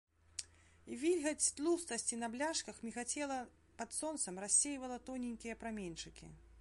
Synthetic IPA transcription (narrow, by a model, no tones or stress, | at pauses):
ivʲilʲɣɐt͡sʲst̪lˠust̪ɐsʲt͡sʲinɐblʲaʂkɐxmʲixat͡sʲɛlˠɐ | pɐt̪sɔnt̪sɐmrasʲːejvɐlˠɐt̪ɔnʲinʲkʲijɐpɾamʲenʲt͡ʂɨkʲḭ